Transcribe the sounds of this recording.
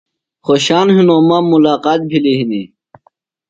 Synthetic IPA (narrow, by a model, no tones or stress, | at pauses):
xoɕaːnɦinõːmãmulaːqaːt̪̚bʱiliɦini